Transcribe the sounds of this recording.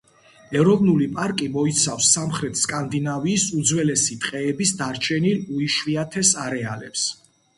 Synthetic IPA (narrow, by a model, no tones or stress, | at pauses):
ɛɾɔvnulipʼaɾkʼimɔit̪sʰafsːamχɾɛt̪ʰskʼand̪inaviːsud̪zwɛlɛsit̪ʼqʼɛːbisd̪aɾt͡ʃʰɛniluiʃwiat̪ʰɛsaɾɛa̰lɛ̰ps